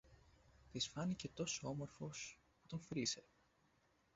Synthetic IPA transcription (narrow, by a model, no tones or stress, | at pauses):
t̪isfɐnice̞t̪o̞soo̞mo̞ɾfo̞s | put̪o̞ɱfɾise̞